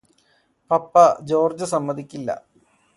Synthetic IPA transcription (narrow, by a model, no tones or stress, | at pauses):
pɐpːɐd͡ʑo̞ːrd͡ʑɐsɐmːɐd̪ʱikʲːilːɐ̰